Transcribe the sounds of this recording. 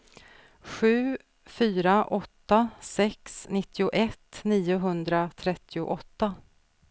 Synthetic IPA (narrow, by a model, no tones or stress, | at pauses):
ɧʉ̟ː | fyːɾaʔɔt̪ːasɛksnɪt̪ʰːɪʊʔɛt̪ːniːʊɦɵnd̪ɾat̪ʰɾɛt̪ʰːɪʊ̰ʔɔt̪ːa